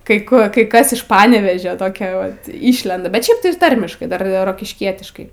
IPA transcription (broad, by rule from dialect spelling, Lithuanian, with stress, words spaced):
ˈkɐɪ ˈkʊr ˈkɐɪ ˈkɐs ɪʃ ˈpɑːnʲɛʋʲeːʒʲoː toːˈkʲoː ˈʋɐt ˈiːʃʲlʲɛndɐ bʲɛt ˈʃʲɛɪp tɐɪ ɪr ˈtɐrʲmʲɪʃkɐɪ ˈdɐr roːkʲɪʃʲˈkʲiɛtʲɪʃkɐɪ